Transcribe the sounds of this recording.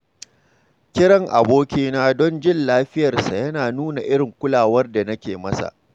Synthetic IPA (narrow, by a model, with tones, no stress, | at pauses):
kʲɪ˦ɽɐ˦˨ŋʔa̰˨boː˦kʲiː˦naː˦dɔ˦nd͡ʒɪ˦nlaː˦ɸɪ˦jɐ˨rsa˨jɐ˦naː˨nuː˦na˨ʔɪ˦ɽɪ˨ŋkʷʊ˦laː˨wɐ˦rda˨nɐ˦kʲeː˨mɐ˦sa̰˨ʔ